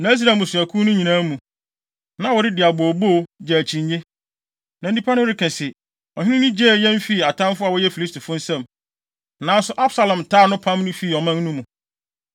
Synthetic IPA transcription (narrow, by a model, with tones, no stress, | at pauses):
nã˨˦s̬ɾa˨mʊ̃˨sʊ˨æ˨kʰũ˦nʊ̃˦ɲĩ˨nã˦mũ˨ | nã˦wɔ˨ɾɪ˦dɪ˨a˨bo˨bo˦˨d͡ʑɛ˨æ˨t͡ɕʰĩ˨ɲɲe˦ | nã˨n̩˦dĩ˦pʰa˦nʊ̃˦ɾɪ˦˨kɛ̃˨sɪ˨ | ɔ˨hᶣɪ̃˦nɪ̃˦nʊ̃˦d͡ʑɛː˦˨jɛ̃˦m˦fiː˦˨a˨tʰã˦mfʊ˦a˨wɔ˦jɛ˦fi˨li˦stʰi˨fʊ̃˦n̩˦sɛ̃˦˨m | nã˨˦n˦sʊ˦ʔa˦bsa˨lã˨mtʰaː˦˨nʊ̃˦pʰã˦mnʊ̃˦fiː˦˨ɔ˨mã˦n˦nũ˦mũ˨